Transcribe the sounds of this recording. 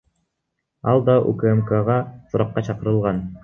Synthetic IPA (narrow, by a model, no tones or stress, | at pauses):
ɑ̰lˠd̪ɑʔṵkəemkaʁɑsuɾɑqːɑt͡ʃɑqɤ̆ɾɤ̆lˠʁɑn